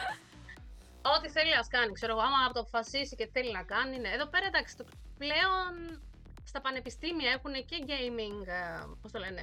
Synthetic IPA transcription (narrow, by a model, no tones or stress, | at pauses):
o̞t̪iθe̞liɐskɐnikse̞ɾo̞ɣoɐmɐpot̪oɐpofɐsisicet̪i̥θe̞linɐkɐnineːðo̞pe̞ɾɐnd̪ɐksi̥t̪ople̞o̞n | st̪ɐpɐne̞pist̪imiɐe̞xune̞ceʝejmiŋɡpo̞st̪ole̞ne̞